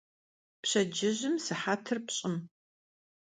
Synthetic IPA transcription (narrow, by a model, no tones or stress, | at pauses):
pɕɐd͡ʒɪʑɪmsɨħaːtʰɨrpɕʼɪm